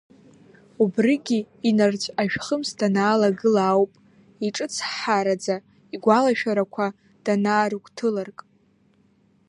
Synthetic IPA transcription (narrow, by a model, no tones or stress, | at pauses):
ubrɨɡʲiː | nart͡ɕʷʼaʃᶣχəmstʰanaːlaɡɨlaːwpʼ | iʈ͡ʂʼɨt͡sʰħaɾad͡za | iɡʷalaʃᶣaɾakʷʰa | d̥anaːɾukʷʰʼtʰɨlarkʼ